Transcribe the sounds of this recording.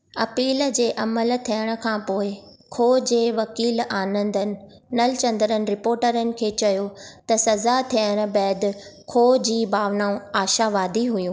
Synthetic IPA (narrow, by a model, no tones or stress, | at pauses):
ɐpiːld͡ʑeːʔɐməlt̪ʰijəɽ̃ə̆kʰãːpoːɪkʰoːd͡ʑeːʋɐkiːlaːnə̃nd̪ənɪ̆nɐlɪt͡ɕɐ̃nd̪əɾənɪ̆ɾɪpoːɾʈəɾənɪ̆kʰeːt͡ɕɐjot̪ɐsɐzat̪ʰijəɽ̃̆bɛːd̪kʰoːd͡ʑiːbʱaːʋnaːũaːʃaːʋaːd̪ʱiɦʊjũː